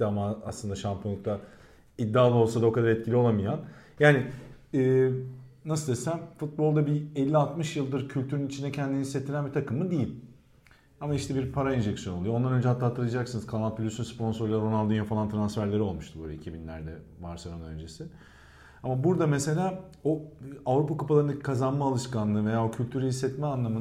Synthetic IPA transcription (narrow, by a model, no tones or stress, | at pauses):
amaa̰slˠɯnd̪aʃampʰjoŋk̚t̪ʰa | id̪ːaːlˠao̞lˠsad̪ao̞kad̪aɾɛt̪̚cʰilʲio̞lˠamɯjan | jaːnɪɯːnasɯld̪esæmfut̪̚bo̞lˠd̪abiɛlʲːialˠt̪mɯʃjɯlˠd̪ɯɾcʰylʲt̪ʰyɾynit͡ʃʰind̪ɛcʰɛnd̪iniset̪ʰilʲænbit̪ʰakɯmɯd̪ejilʲ | amaiʃt̪ʰɛbiɾpʰaɾaind͡ʒɛksjonolˠujond̪anø̞nd͡ʒɛat̪lˠat̪ʰːɯɾɯad͡ʒaksɯnɯz̥kʰanal̚ˠpʰylʲysynspo̞nso̞ɾlʲˠaɾo̞nald̪ynjafalˠant̪ʰɾansfæɾlʲe̞ɾio̞lˠmuʃt̪ʰubøːlʲɛ̰icʰibinlʲæ̰ɾd̪ɛ | vaɾsaɾonø̞̰nd͡ʒe̞sɪ | amabuɾd̪amese̞lʲaːoavɾupakupʰalˠaɾnakʰazanmaːlˠɯʃkanlˠɯve̞jaːocʰylʲt̪ʰyɾyɦisːɛt̪mɛanlˠamɯn